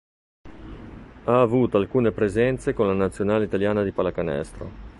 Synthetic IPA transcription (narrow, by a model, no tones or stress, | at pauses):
aːvuːt̪oalkuːnepɾezɛnt̪sekonlanat̪sːjonaːleit̪aljaːnad̪ipalakanɛ̰st̪ɾo̰